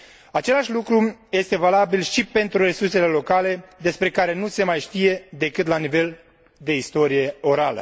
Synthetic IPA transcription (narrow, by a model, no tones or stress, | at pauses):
at͡ʃe̞laʃʲlukɾuje̞st̪e̞valabilʃipe̞nt̪ɾuɾe̞surse̞le̞lo̞kale̞d̪e̞spɾe̞kaɾe̞nuse̞majʃt̪ije̞d̪e̞kɨt̪lanive̞l | d̪e̞ist̪o̞ɾije̞o̞ɾalə̰